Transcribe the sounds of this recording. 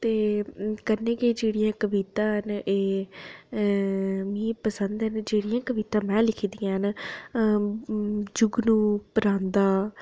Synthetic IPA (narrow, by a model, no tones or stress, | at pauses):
t̪eːkəɾneːkeːd͡ʒeːɽijãːkəʋit̪ãːɦəneː | mĩːpəsənd̪ɦənd͡ʒeːɽijãːkəʋiːt̪ãːmɛ̃ːlɪkʰid̪ijãːɦən | d͡ʒʊɡnũːpəɾãːnd̪aː